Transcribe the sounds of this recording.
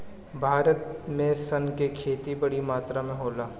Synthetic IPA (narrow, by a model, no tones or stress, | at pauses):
bʱaːɾət̪mẽsɐnkekʰeːt̪ibɐɽimaːt̪ɾamẽɦoːlaː